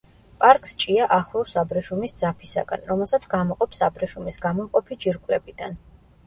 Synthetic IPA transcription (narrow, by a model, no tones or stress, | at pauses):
pʼaɾkʼst͡ʃʼiaʔaχɾɔsabɾɛʃumisd̪zapʰisa̰ɡa̰nɾɔmɛlˠsat̪sʰɡamɔqʼɔpsabɾɛʃumisɡamɔmqʼɔpʰid͡ʒiɾkʼlɛbid̪̥an